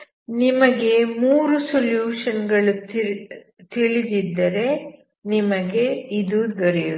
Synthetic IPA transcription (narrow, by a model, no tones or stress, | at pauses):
nimɐɡe̞muːɾusoljuːʂɐnɡɐɭu | t̪iɭid̪id̪ːɐɾe̞ | nimɐɡe̞id̪uɡɐɾɛju